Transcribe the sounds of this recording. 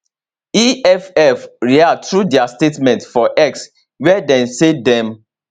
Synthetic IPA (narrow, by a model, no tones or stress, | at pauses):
iɛfɛfɹiatɹudɛastetmɛ̃ntfɔʔɛks | wɛdɛ̃nsedɛ̃m